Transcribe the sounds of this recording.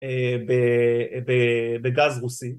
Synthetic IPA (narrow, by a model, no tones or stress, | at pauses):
ebebebeɡazʁusi